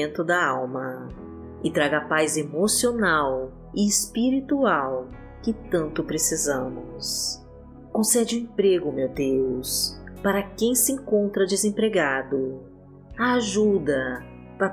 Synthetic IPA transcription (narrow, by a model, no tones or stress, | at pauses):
ẽnt̪ʊd̪ɐawmɐ | ɪt̪ɾaɡapajzemosionaw | ɪːspiɾit̪uaw | kɪt̪ɐ̃nt̪ʊpɾesizɐ̃mʊs | kõsɛd͡ʒɪẽpɾeɡʊmewd̪ewspaɾɐkẽj̃sɪẽŋkõnt̪ɾɐd͡ʒɪzẽpɾeɡad̪ʊ | aːʒud̪ɐ | pa